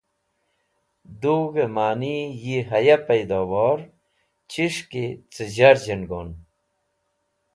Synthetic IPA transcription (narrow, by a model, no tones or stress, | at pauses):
d̪uːɡemaːnijiɦɐjɐpɐjd̪owoːɾ | t͡ɕʰiʂket͡səd͡ʑaɾd͡ʑenɡoːn